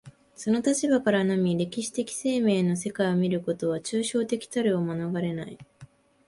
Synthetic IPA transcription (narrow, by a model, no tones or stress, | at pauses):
so̞no̞t̪at͡ɕibakaɾanamʲiɾe̞kʲiɕi̥t̪e̞kʲi̥se̞ːme̞ːno̞s̬e̞kaio̞mʲiɾɯ̟ko̞t̪o̞β̞at͡ɕɨːɕo̞ːt̪e̞kʲi̥t̪aɾɯomanoɡaɾe̞nai